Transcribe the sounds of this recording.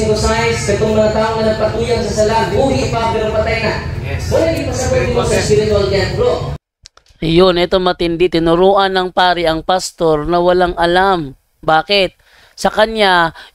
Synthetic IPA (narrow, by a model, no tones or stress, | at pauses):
ŋkosajsɛt̪oŋmɐŋat̪aːʔoŋɐnɐpɐt̪uːjaŋsɐsɐlaʔnbuːɡipapɛːɾopɐt̪ajnawɐlaɡɪŋpɐsɐkwɛd̪omosɐspiɾɪt̪ʊald͡ʒanɡɾo | jonʔɛt̪o̞mɐt̪ɪnd̪ɪt̪ɪnʊɾoːʔɐnɐŋpaːɾɪʔɐŋpɐst̪o̞ɾnɐwɐlaŋʔɐlam | baːkɪt̪̚ | sɐkɐnɲa